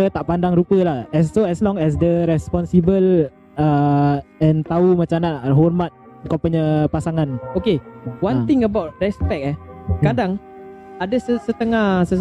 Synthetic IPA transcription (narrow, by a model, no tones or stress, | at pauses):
ət̪aʔpandaŋɾupəlahɛsːoɛslɔŋɛs̬dəɾɛspɔnsibəl | ə | ɛ̃nt̪aumãt͡ʃamnaɦɔrmat̪̚kɔmpəɲəpasaŋãnokewant̪ɪŋəbawt̚rɛspɛk̚ɛkadaŋ | adəsəsət̪əŋahsə